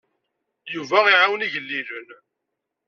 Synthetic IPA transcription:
juvæiʕawniʝəlːilən

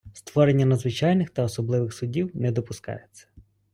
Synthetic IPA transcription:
st̪ʋɔɾenʲːɐnɐd̪zʋɪt͡ʃɑjnɪxt̪ɐɔsɔblˠɪʋɪxsʊdʲiwnɛd̪ɔpʊskɑ̰jet͡sʲːɐ̥

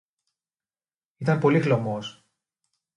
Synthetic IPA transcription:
it̪ɐmpo̞lixlomos

